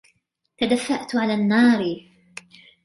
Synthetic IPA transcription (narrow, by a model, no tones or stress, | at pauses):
t̪ad̪afːaʔt̪ʕalaːnːɑːɾ